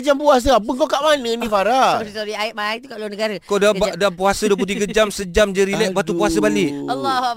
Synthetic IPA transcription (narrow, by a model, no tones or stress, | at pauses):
d͡ʒampuas̬əapəŋkokaʔmanə̃nĩfaɾat̪adiaɪt̚maaŋt̪ukaʔluanəɡaɾəkodaadapuasəduəplut̪iɡad͡ʒamsəd͡ʒamd͡ʒəɾilɛʔ̚bat̪upuasəbalɪʔalːɔ